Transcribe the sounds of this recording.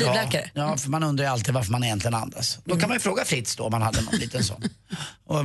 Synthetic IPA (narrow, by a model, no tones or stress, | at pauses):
lɛkaɾə̰jɑːfœɾmanɵnd̪ɾajɵalt̪iːd̪vaɾfœɾmanɪjɛnt̪lɪɡəna̰nd̪a̰sd̪ɔkʰanmanjəfɾoːɡafɾɪt̪ːsd̪ɔ̰ɔmːanhad̪ːənɔ̰nlḭːt̪ənsɔ̰nːɔ